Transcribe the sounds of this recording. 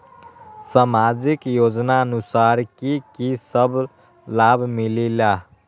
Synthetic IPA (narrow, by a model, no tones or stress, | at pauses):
samad͡ʒikjod͡ʒnaənusaɾkikisəbʱ | labʱmilila